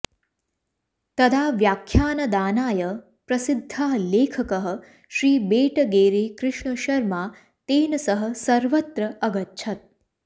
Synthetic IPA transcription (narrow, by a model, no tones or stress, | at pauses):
t̪ɐd̪ʱaːʋjaːkʰjaːnɐd̪aːnaːjɐ | pɾɐsɪd̪ʱːaːleːkʰɐkɐɦɐ̆ | ʃɾiːbeːʈɐɡeːɾeːkɾɪʂɳɐʃɐɾmaː | t̪eːnɐsɐɦɐ̆sɐɾʋɐt̪ɾɐɐɡɐtːʃʰɐt̪̚